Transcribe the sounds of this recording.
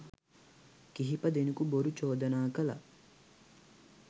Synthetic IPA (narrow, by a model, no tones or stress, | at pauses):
kiɦipəd̪enukuboɾut͡ʃoːd̪ɐnaːkəlɐ̰